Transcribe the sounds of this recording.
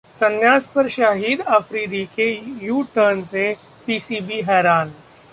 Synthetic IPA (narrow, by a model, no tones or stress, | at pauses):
sɐnjaːspɐɾʃaːɦiːd̪ɐfʰɾiːd̪ikejuːʈəɾnse | piːsiːbiɦɛːɾaːn